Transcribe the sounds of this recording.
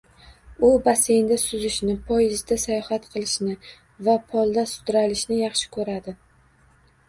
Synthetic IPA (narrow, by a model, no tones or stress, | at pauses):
ʊbase̞jnd̪asʊzɪʃnɪpʰɒjɪzd̪asajɒhat̪qʰɨlˠɪʃnɪ | vapʰɒlˠd̪asʊ̥d̪ɾalɪʃnɪjɑχʃɪ̥kʰɵɾad̪ɪ